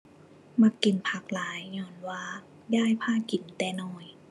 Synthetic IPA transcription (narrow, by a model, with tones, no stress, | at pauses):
ma˧˥kːi˨˩˦npʰa˧˩k̚laː˨˦jɲɔː˧nwaː˧ | jaː˥˩˨jpʰaː˧˥˨ki˨˩˦nt̪ɛː˧nɔː˧˩j